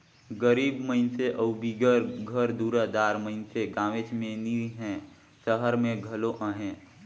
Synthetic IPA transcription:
ɡəɾiːbməɪnseʔəʊbiɡəɾɡʱəɾd̪uːɾəd̪aːɾməɪnseɡãːʋet͡ʃmeniɦɛ̃ | səɦəɾmẽɡʱəloʔəɦɛ̃

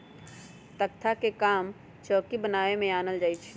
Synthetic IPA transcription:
t̪ək̚t̪ʰakekaːm | t͡ʃəːkibənaːemẽaːnəld͡ʒaːit͡ʃʰi̥

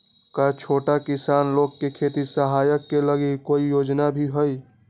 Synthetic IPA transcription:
kat͡ʃʰoʈakisanloɡkekʰet̪isəɦajəkːeləɡikoijod͡ʒnabʱiɦəj

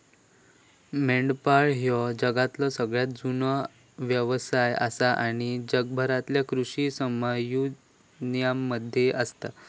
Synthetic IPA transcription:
meɳɖpaɭɦjɔd͡ʑəɡat̪lɔsəɡɭjat̪̚d͡zunɔ | ʋjəʋsaja̰saʔaɽ̃id͡ʑəɡ̚bʱəɾat̪ljakɾuɕisəməju | njamːəd̪ʱjeʔəst̪a

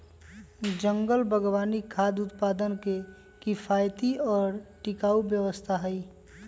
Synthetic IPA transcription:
d͡ʒə̃ŋɡəlbʱəɡʋaːnikʰad̪ʊt̪paːd̪ənke | kɪpʰaːjt̪iɔːɾʈɪkaːubjəwəst̪ʰaɦəi

